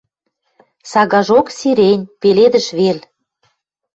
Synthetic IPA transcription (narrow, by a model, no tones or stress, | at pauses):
sɑɣɑʒoksiɾenʲpeled̪ə̆ʃβel